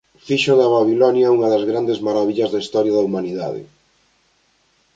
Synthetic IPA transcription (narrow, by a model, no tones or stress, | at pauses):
fiʃoðɐβaβilɔnjauŋɐðɐzɣɾand̪ezmaɾaβiʎɐzðaist̪ɔɾjaðɐumaniða̰ðɪ̰